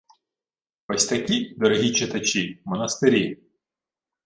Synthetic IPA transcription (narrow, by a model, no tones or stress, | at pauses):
ɔsʲt̪ɐkʲid̪ɔɾɦʲit͡ʃet̪ɐt͡ʃimɔnɐst̪ɪɾʲi